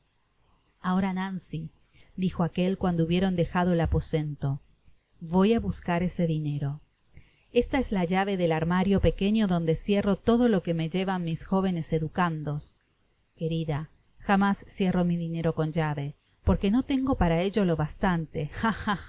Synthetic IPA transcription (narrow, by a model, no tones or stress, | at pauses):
ao̞ɾanansi | d̪ixo̞ake̞lkwand̪ouβje̞ɾo̞nd̪e̞xað̞oelapo̞se̞nt̪o̞ | βo̞jaβuskaɾe̞se̞ðine̞ɾo̞ | est̪aezlaʒaβ̞e̞ðelaɾmaɾjo̞pe̞ke̞ɲjo̞ðo̞nd̪e̞sje̞ro̞t̪o̞ðo̞lo̞keme̞ʒe̞βanmisxo̞β̞e̞ne̞se̞ðukand̪o̞s | ke̞ɾiða | xamasːje̞ro̞miðine̞ɾo̞ko̞nd͡ʒaβe̞ | po̞ɾke̞no̞t̪e̞ŋɡo̞paɾae̞ʒolo̞βast̪ant̪e̞xaa